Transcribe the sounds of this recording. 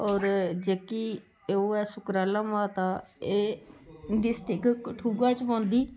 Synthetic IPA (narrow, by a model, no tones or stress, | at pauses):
ɔːɾd͡ʒeːkiː | eoːɛːsʊkɾaːlãːmãːt̪ãːeː | ɖ̪isʈɪkkʈʰuːɡaːt͡ʃpɔ̃ːnd̪iː